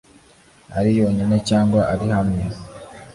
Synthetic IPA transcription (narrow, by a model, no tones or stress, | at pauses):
a̰ɾijo̞ːɲine̞caːŋɡwaʔaɾihamɲiz